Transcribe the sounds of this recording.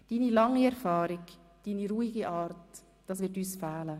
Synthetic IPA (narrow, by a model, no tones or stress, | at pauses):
d̥iːnilɑŋːiɛɾfɑːɾɪɡ | d̥iːniɾuːiɡiʔɑːrt | d̥ɑːsʋɪtyːsfɛːlə